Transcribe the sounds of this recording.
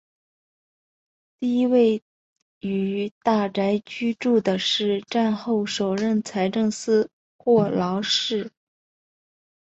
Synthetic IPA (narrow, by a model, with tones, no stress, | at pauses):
t̪i˥˧i˥we˥˧ɪ | y˨˩t̪a˥˩ʈ͡ʂa˧˥ɪt͡ɕy˥ʈ͡ʂu˥˩d̪ə˩ʂɻ̩˥˧ʈ͡ʂa˥˧nxo˥˩ʊʂo˨˩ʊɻə˥˩nt͡sʰa˧˥ɪʈ͡ʂɤ˥˧ŋsɹ̩˥ | xwɔ˥˩lɑ˧˥ʊʂɻ̩˥˩